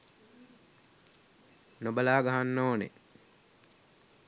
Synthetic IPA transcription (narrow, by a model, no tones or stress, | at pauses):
nobəlaːɡaɦanːoːnḛ